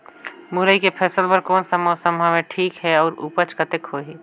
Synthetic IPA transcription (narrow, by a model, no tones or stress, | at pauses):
mʊɾəikepʰɛːsəlpəɾkɔːnsəmasəmamẽʈʰiːkɦɛɔːɾṵːpət͡ʃkət̪ekhoɦɛː